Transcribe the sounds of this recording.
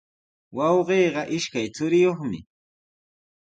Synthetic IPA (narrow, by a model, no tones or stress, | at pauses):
wɑwɢeːɢɑʔɪʃkajt͡sʊɾɪjoχmɪ̰